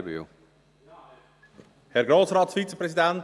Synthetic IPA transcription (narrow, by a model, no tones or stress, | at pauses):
bḭ | hɛrɡɾoːtsrɑːtsfitt͡səprɛsidɛnt